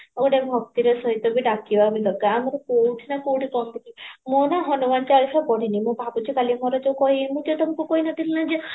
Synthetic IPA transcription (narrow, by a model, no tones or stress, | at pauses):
ɔkɔʈebʱɔk̚t̪iɾesɔɦit̪ɔbiɖakibabilɔɡaamɔɾɔkowʈʰinakowʈʰikɔmd̪ikimonaɦɔnumant͡ʃaɾikʰabɔɽinimũbʱaput͡ʃʰikalimɔɾɔd͡ʒekɔɦiemũd͡ʒet̪ɔmkukɔɦinɔt̪ʰilinad͡ʒe